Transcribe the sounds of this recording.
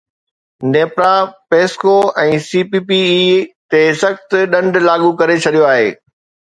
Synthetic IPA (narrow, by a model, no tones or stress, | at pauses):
neːpɾapeːskoɛ̃ːsiːpipiit̪esɐxt̪ɗɐ̃ɳɖʱlaːɠukɐɾet͡ɕʰɐɗijoaːɦḛː